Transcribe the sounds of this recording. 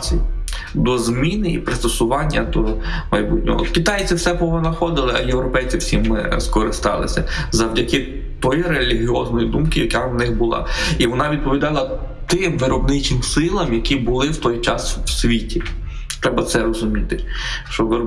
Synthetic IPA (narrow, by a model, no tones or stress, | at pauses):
i | d̪ɔzmʲinɪipɾɪst̪ɔsʊʋɑnʲːɐd̪ɔmɐjbut̚ʲnʲɔ̰ɦɔ̰kit̪ɑjt͡sʲiwsɛpɔɦɔnɐxɔd̪ɪlˠɪɐ̰jewɾɔpɛjt͡sʲiwsʲimːɪ̰skɔɾɪst̪ɑlˠɪ̰sʲɐzɐwdʲɐkɪ | t̪ɔjɾelʲiɦʲiɔznɔjid̪umkɪjɐkannɪxbʊlˠɑ̰iʋɔnɑʋʲid̪̚pɔʋʲid̪ɑlˠɐ | t̪ɪmʋɪɾɔbnɪt͡ʃɪmsɪlˠɐmjɐkʲibʊlˠɪwt̪ɔjt͡ʃɑ̰swsʲʋʲitʲi | t̪ɾɛbɐt̪sɛɾɔzʊmʲit̪ɪʃt͡ʃɔʋɪ